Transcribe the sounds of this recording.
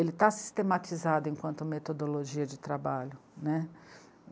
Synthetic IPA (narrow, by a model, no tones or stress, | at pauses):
elɪt̪asi̥st̪emat͡ʃizad̪ʊẽŋkwɐ̃nt̪ʊmet̪od̪oloʒiɐd͡ʒɪt̪ɾabaʎʊnɛ